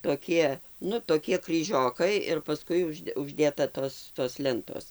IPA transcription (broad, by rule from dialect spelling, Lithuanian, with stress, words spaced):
toːˈkʲiɛ ˈnʊ toːˈkʲiɛ krʲiːˈʒʲoːkɐɪ ɪr pɐˈskʊɪ ʊˈʒʲdʲɛ ʊʒʲˈdʲeːtɐ ˈtoːs toːs ˈlʲɛntoːs